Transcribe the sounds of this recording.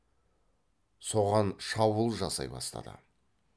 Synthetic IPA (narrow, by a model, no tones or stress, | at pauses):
so̞ʁɑnʃɑwəlˠʒɑsɑ̰jbɑ̰st̪ɑ̰d̪ə̰